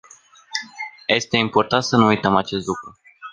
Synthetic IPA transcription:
je̞st̪e̞impo̞rt̪ant̪sənuujt̪əmat͡ʃe̞st̪lukɾu

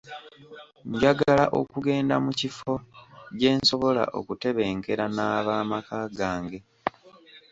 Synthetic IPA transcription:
ɲɟaɡala̰ʔo̞̰kuɡe̞ːndamucifo̞ɟe̞ːnso̞βo̞la̰ʔo̞̰kute̞βe̞ːŋke̞ɾanaːβaːmakaːɡaːŋɡe̞

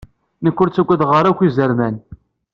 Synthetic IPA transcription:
nəkʷːʊɾt͡sːæɡʷːæðʁəɾækʷːizəɾmæn

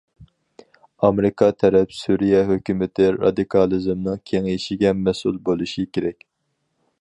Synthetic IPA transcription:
ɑmeɾɨkʰɑt̪ʰɛɾɛpsuɾijɛɦøkʲymɪt̪ʰɪɾɑ̰d̪ɨkʰɑlˠɨzɨmnɨŋkʲʰeŋiʃiɡʲɛmɛsṵlˠbolˠuʃikʲeɾɛkʲ

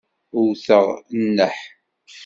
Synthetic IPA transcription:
ʊɾθəʁnːəħ

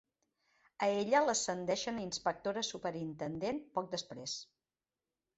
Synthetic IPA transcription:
əeʎələsənd̪ɛʃəninspək̚t̪oɾəsupəɾint̪ənd̪enpɔk̚d̪əspɾes

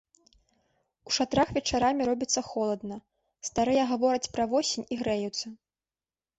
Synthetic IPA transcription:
uʂat̪ɾaxvʲɛt͡ʂaɾamʲiɾɔbʲit̪sːɐxɔlˠɐd̪nɐ | st̪aɾɨjɐɣavɔɾɐt͡sʲpɾɐvɔsʲinʲiɣɾɛjut̪sɐ

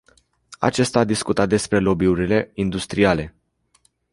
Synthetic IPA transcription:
a̰t͡ʃe̞st̪aːd̪iskut̪at̪̚d̪e̞spɾe̞lo̞biuɾile̞ind̪ust̪ɾiale̞

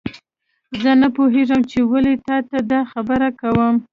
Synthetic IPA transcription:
zənapoɦeʐəmt͡ʃewalet̪ɑt̪ad̪ɑxabəɾakawəm

